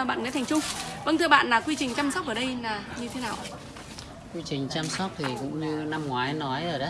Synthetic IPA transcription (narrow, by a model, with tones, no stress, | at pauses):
ɓa̰ː˧˨nŋa̰˧˥t̪ʰa˨˩ŋ̟t͡ɕʊ˧ŋ͡mvə˧nt̪ʰɨ˧əɓa̰ː˧˨nlaː˨˩kwi˧t͡ɕi˨˩ŋ̟t͡ɕaː˧msɔ˦˥t̚ʔəː˨˩ɗə˧jlaː˨˩ɲɨ˧t̪ʰe˨˦naː˨˩wʔ | kwi˧t͡ɕï˨˩ŋ̟t͡ɕaː˧msɔ˦˥t̚t̪ʰi˨˩kʊ̰˧˥ŋ͡mɲɨ˧na˧mŋwaː˨˦jnɔ˨˦jʔəː˧˩ɗə˨˦